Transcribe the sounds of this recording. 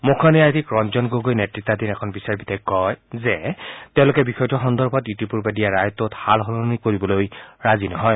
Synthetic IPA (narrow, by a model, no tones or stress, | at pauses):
mokʰanijajtikɹɔnd͡ʒɔnɡoɡojnetɹitːadinɛkʰɔnbisaɹbitʰɛkːɔjzɛtɛʊ̃lʊkɛbixɔjtɔxɔndɔɹbʰʱɔtjutipuɹbadijaɹajɔtːɔthalɦɔlonikoɹibɔlojɹazinɔɦɔj